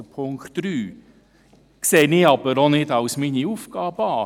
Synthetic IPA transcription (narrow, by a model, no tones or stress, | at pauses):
əpʰʊŋktɾyː | kseːnɪɑb̥əɾonɪdɑwsminiufɡ̥ɑːbəɑː